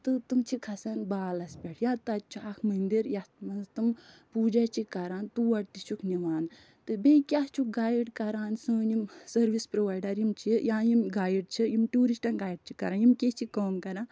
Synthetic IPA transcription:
t̪ɨt̪ɨmt͡ʃʰikʰɐsɐnbaːlɐspʲɛʈʰjat̪ɐt͡ʃʰuɐkʰmɐnd̪iɾjat̪mɐnzt̪ɨmpuːd͡ʒat͡ʃʰikɐɾaːnt̪uʋɐɽt̪it͡ʃʰukʰniʋaːn | t̪ɨbekʲjaht͡ʃʰuk̚ɡaːjɖkɐɾaːnsɨːnimsɐɾʋispɾoʋaːjɖɐɾimt͡ʃʰijaːjimɡaːjɖ̚t͡ʃʰijimʈuːɾisʈɐnɡaːjɖ̚t͡ʃʰikɐ̰ɾanjimket͡ʃʰikoːmkɐɾãːn

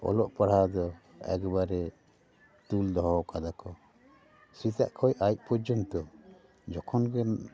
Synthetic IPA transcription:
ɔ̰lɔʔpaɽhad̪ɔ | ɛ̰ɡbaɾɛ | t̪uld̪ɔɦɔkad̪akɔ | sit̪a̰ʔkʰɔjʔajc̚pɔd͡ʒɔmt̪ɔ | d͡ʒɔkʰɔnɡɛn

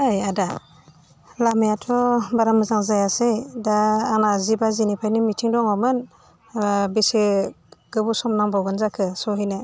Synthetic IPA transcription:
ajada | lamajatʰɔbaɾamɯzaŋzajasejdaːnazibazinipʰajnimitʰiŋdɔŋɔmɯn | bise | ɡ̥ɯbusɔmnaŋbawɡɯnzakʰɯsɔɦɯjnɯ

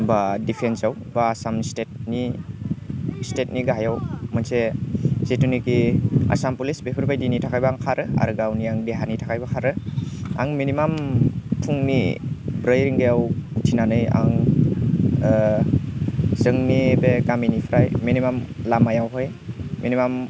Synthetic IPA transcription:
badipʰensaw | baːsamstet̚ni | stet̚niɡaɦajawmɯnsezetunikia̰sampulisbepʰɯɾbajdinitʰakʰajbaaŋkʰaɾɯa̰ɾɯɡawniaŋdeɦanitʰakʰajbakʰaɾɯa̰ŋminimampʰuŋnḭbɾajɾiŋɡejawtʰinanɯja̰ŋ | zɯŋnibekaminipʰɾajminimamlamajawɦɔj | minimam

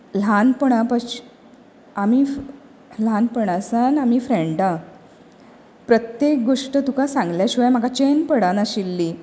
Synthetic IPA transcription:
l̤anpəɽapat͡ɕi̥ | ami | l̤anpəɽ̃asanamiːfɾeɳɖa | pɾət̪jek̚ɡoʂʈət̪ukasãŋɡljaɕiʋajm̤akat͡ɕenpəɽanaɕilːi

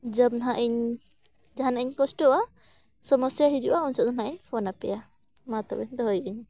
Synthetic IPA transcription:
d͡ʒəb̚nɦaʔiɲ | d͡ʒaɦanaʔiɲkɔsʈɔa | sɔmɔsjaɦid͡ʒuʔaunsɔʔzɔnɦaʔiɲpʰɔnapɛja | mat̪ɔbɛɲd̪ɔɦɔjiɲ

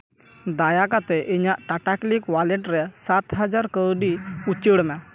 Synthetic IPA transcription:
d̪ajakat̪ɛʔiɲaʔʈaʈaklikwalɛʈɾɛsat̪ɦad͡ʒaɾkəɾɖiut͡ʃəɽmɛ

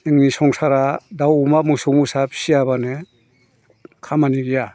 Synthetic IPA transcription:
ɯŋnisɔŋsaɾadawumamɯsɔmusapsiaβane | kʰamaniɡija

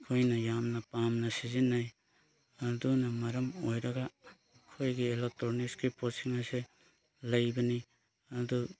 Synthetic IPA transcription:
kʰojnɐjamnɐpamnɐsizinːaj | ɐdunɐmɐɾɐmojɾɐɡa | kʰojɡielek̚tɾoɾniskiposiŋase | lɐjbɐni | ɐdu

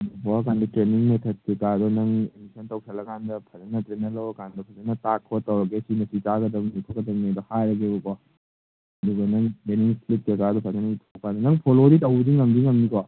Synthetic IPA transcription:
ɐd̪upɔkandɐtɾeniŋmet̪ʰɐt̚kikad̪ɔnɐŋemisʰɐntɐwsʰɐlɐɡandɐpʰɐzɐnɐtɾenɐlɐwɐkandɐpʰɐzɐnɐtakʰːɔtːɐwɾɐɡesinɐsitaɡɐd̪ɐmnikʰɔkɐd̪ɐmned̪ɔhajɾɐɡebɔkɔ | ɐd̪uɡɐnɐŋtɾeniŋslit̚kekad̪ɔpʰɐzɐnɐitʰɔkandɐnɐŋpʰoloɾitɐwdiŋɐmdiŋɐmnikɔ

